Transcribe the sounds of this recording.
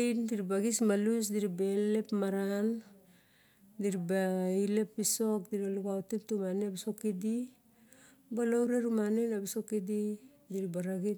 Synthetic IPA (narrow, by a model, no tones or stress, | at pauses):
indiɾibaɡismalus̬diɾibelepmaɾan | diɾibaile̞pːisok̚diɾaluɡautimtumanebisokidi | balowɾeɾumanenabisokidi | diɾibaɾaɡi